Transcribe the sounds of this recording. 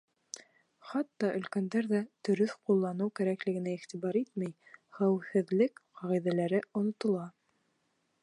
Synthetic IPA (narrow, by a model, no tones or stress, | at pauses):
χɑt̪ːɑʔɵ̆lkænd̪æɾðæt̪ɵ̆ɾɵθqulˠːɑnɤwkæɾæklɘ̆ɡɘ̆næiχt̪iβɑɾit̪mæjχæwhɘ̆ðlɘkqɑʁiðælæɾɘŏnŏt̪ŏlˠɑ